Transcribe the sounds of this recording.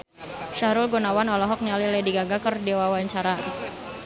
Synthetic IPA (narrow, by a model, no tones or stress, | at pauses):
ʃaɾʊlɡɔnawanɔlɔɦɔk̚nialilɛdiɡaɡakərdewawaɲt͡ʃaɾa